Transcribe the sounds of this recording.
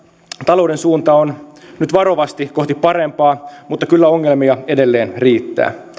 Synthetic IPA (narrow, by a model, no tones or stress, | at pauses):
t̪ɑlo̞udensuːnt̪ɑonnyt̪ʋɑɾo̞ʋɑst̪iko̞ht̪ipɑɾempɑːmut̪ːɑkylːæoŋːelmiɑedelːe̞ːnriːt̪ːæ̰ː